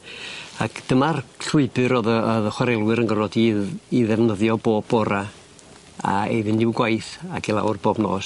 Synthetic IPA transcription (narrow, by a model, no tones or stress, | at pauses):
akʰd̥əmarɬwʊɨbɨɾɔðəɔðəχwaɾɛlˠwɨɾənɡəɾɔdiðiðɛvnəðjɔboːbɔɾa | a̰ḛjðɨndɪwɡwajθakʰilˠa̰wrboːbno̰ːs